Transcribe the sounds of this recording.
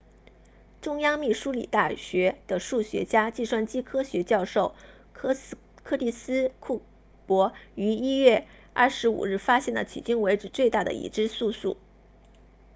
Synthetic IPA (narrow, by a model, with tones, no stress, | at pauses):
ʈ͡ʂʊ˥ŋjɑ˥ŋmi˥˩ʂu˥lḭ˨˩t̪a˥˩ɕɥɛ˧˥d̪̥ə˨ʂu˥˩ɕɥɛ̰˧˥t͡ɕja˥t͡ɕi˥˧ʂwa˥˩nt͡ɕi˥kʰɤ˥ɕɥɛ˧˥t͡ɕjɑ˥˧ʊʂo˥˩ʊ | kʰɤ˥˧li˥˩sɹ̩˥kʰu˥˩ | pwɔ˧˥y˧˥i˥ɥɛ˥˧ | ɐ̰˥˩ʂɻ̩˧˥ṵ˨˩ɻɻ̩˥˩fa˥ɕjɛ˥˩nlə̰˩t̪ʰḭ˨˩t͡ɕy˥ŋwe˧˥ɪʈ͡ʂɻ̩˨˧˩t͡swe˥˧ɪt̪a˥˩d̪ə̰˩ḭ˨˩ʈ͡ʂɻ̩˥su˥˧sṵ˥˩